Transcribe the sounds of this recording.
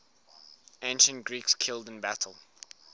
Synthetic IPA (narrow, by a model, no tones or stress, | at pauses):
ẽɪ̃nʃə̃ntɡ̥ɹikskʰɪlˠdɪ̃nbætʰəl̩ˠ